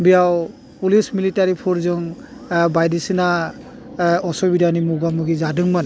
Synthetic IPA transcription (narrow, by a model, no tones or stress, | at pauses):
bijaw | pulismilitaɾipʰɔɾzɔŋbajdisina | ɔsɔbidʱanimuɡamuɡizadɯŋman